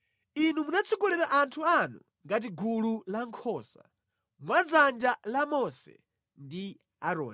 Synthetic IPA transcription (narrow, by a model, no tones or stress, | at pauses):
inumunat͡sʰukulɛɾaʔantʰuanṵ | ŋɡat̬iɡululaŋkʰɔːsa̰ | mwad͡zand͡ʒalamɔsɛ̰ | ndi | aɾɔ̰ːni